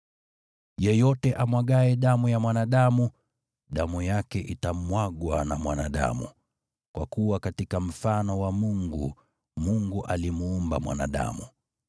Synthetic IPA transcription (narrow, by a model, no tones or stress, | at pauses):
jɛjɔtɛʔamwaɠaɛɗamujamwanaɗamu | ɗamujakɛʔitamwaɠwanamwanaɗa̰mṵ | kwakuwakatikam̩fanɔwamuŋɡṵ | muŋɡuʔalimuumba̰mwa̰na̰ɗa̰mu